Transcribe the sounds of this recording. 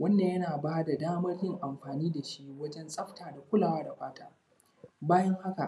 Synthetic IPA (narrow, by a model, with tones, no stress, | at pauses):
wɐ˦nda˨jɐ˦naː˨baː˦da˨daː˦mɐ˦rjɪ˦ŋʔa˨mɸaː˨niː˦da˨ʃi˦wɐ˦d͡ʒɛ˦nsʼɐ˦ɸtaː˨da˨kʷʊ˦laː˨waː˦da˨ɸaː˦taː˦ | baː˦jɐ˦ŋha˦ka̰˨ʔ